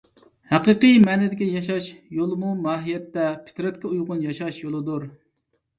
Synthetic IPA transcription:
hæqɨqɨjmɛːnɪd̪ɪkʲijɑʃɑʃjolˠmumɑːɦijɛt̪ːɛpʰɪ̥t̪ɾɛt̪̚kʲɛujʁʊnjɑʃɑʃjolˠɨd̪uɾ

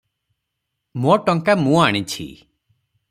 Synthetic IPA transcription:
moʈɔŋkamũaɽ̃it͡ʃʰḭ

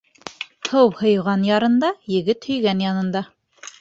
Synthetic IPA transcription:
hɤwhɤ̆jʁɑnjɑɾɤ̆nd̪ɑjɘ̆ɡɘt̪hɵ̆jɡænjɑnɤ̆nd̪ɑ

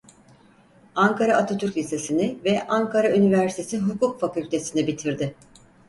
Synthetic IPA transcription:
aŋkʰaɾaat̪ʰot̪ʰyɾcʲlʲise̞sinɪvɛʔaŋkʰaɾaynivæɾsit̪ʰe̞siɦukukfakylʲt̪ʰe̞sinibit̪ʰiɾd̪ɪ

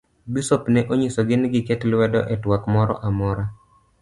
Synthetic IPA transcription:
bisopnɛʔoɲɪsoɡɪnɡɪkɛtlwɛdɔ̰ʔɛtwakmɔɾɔ̰ʔamɔɾa

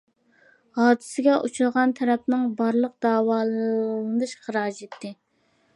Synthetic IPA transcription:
hɑːd̪ɨsɪɡʲɛʔut͡ʃʰulˠʁɑnt̪ʰɛɾɛp̚nɨŋbɑɾlˠəq̚d̪ɑːwɑːlˠɨnɨʃχəɾɑːd͡ʒet̪ʰːɪ

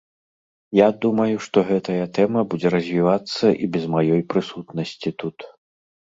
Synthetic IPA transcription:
jad̪umɐjuʂt̪ɔɣɛt̪ɐjɐt̪ɛmɐbud͡zʲɛɾɐzʲvʲivat̪sːɐʔḭbʲɛzmajɔjpɾɨsut̪nɐsʲt͡sʲit̪ut̪

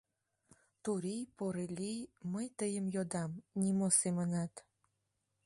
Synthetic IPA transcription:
t̪uɾijpoɾelʲijməjt̪əjəmjod̪ɑmnʲimosemənɑt̪

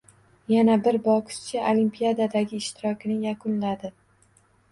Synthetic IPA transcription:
janabɪɾbɒkʰʊ̥t͡ʃʰaʔolimpʰijad̪ad̪aɡʲɪːʃt̪ʰɪɾɒkʲʰnɪjakʰʊnlad̪ɪ

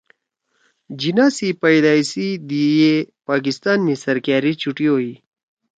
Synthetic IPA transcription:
d͡ʑinaːsipəjd̪aːisid̪ijepaːk̬ist̪aːnːisɐɾkaːɾit͡ɕuʈioːi

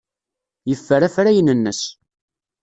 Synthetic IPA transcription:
jəfːəɾæfɾæjənənːəs

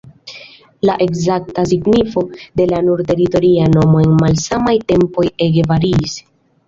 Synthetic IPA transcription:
laʔe̞kzak̚tasiɡnifo̞de̞lanuɾte̞ɾito̞ɾiano̞mo̞e̞nmalsamajte̞mpo̞je̞ɡevaɾiːs

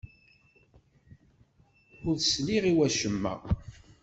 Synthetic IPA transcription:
ʊɾðsliʁiwæʃəmːæ̰

